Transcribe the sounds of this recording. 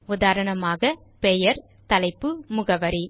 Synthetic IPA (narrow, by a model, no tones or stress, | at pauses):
ʊðaːɾɐɳɐmaːɣɐ | pɛjɐɾ | t̪ɐlɐɪpːɯmʊɣɐʋɐɾi